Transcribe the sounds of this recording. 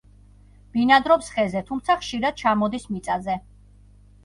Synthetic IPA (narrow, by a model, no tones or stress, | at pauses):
b̥inad̪ɾɔpsχɛzɛt̪ʰumt̪sʰaχʃiɾad̪̚t͡ʃʰamɔd̪ismit̪sʼazɛ